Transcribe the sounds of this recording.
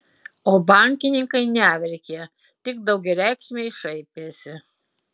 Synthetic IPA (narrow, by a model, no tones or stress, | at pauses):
oːbɐˑŋʲkʲɪnʲɪŋkɐɪnʲæːʋʲɛɾʲkʲeː | t̪ʲɪɡ̚d̪ɐʊɡʲɛɾʲæˑɪkʃʲmʲeɪʃɐɪpʲeːsʲɪ